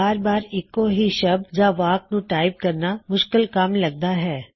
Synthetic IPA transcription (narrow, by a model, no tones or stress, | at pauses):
aːɾbaːɾɪkːoɦiʃɐbd͡ʒaːʋaːk̚nũʈaːɪp̚kɐɾnamʊʃkɪlkɐmlɐɡ̚d̪aɦɛː